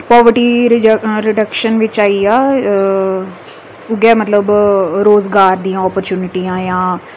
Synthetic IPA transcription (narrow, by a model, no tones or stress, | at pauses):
pɔːʋəɾʈiːɾɾɪɖəkʃənʋɪt͡ʃaːiaː | ʊɡɛːmət̪ləbɾoːzɡaːɾd̪iːãːɔːpəɾt͡ʃjuːnɪʈiːãːjãː